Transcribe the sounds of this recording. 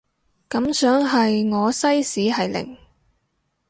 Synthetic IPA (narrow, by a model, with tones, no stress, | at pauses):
kɐ˨˥msœː˨˥ŋɦɐ˨jŋɔː˨˧sɐ˥jsiː˨˥hɐ˨jlɪ̰˨˩ŋ